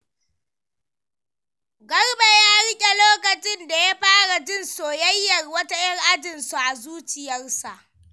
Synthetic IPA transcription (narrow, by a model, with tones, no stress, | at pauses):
ɡɐ˦rbe˨ja˦ɽɪ˦kʲʼe˨loː˦kɐ˨t͡ʃɪ˦nda˨ja˦ɸaː˦ɽa˨d͡ʒɪ˦nsoː˨jɐ˦jːɐ˨rwɐ˦ta˦j̰ɐ˦ŋʔa˦dɪ˨nsu˨ʔa˨zuː˦t͡ʃɪ˨jɐ˦rsa˨ʔ